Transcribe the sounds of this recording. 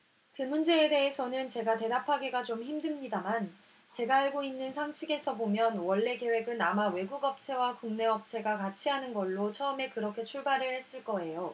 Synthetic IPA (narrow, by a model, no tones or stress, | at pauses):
kɯmund͡ʑe̞ːde̞ɦesʰʌnɯnt͡ɕe̞ɡate̞dapʰaɡeɡat͡ɕomçimdɯmɲidaman | t͡ɕe̞ɡaːɭɡoinːɯnsʰaŋt͡ɕʰiɡe̞sʰʌbomjʌnwʌɭːe̞ke̞we̞ɡɯnamawe̞ɡuɡʌp̚t͡ɕʰe̞wakuŋne̞ʌp̚t͡ɕʰe̞ɡakat͡ɕʰiɦanɯnɡʌɭːot͡ɕʰʌɯme̞kɯɾʌkʰe̞t͡ɕʰuɭbaɾɯɭhe̞s͈ɯɭk͈ʌe̞jo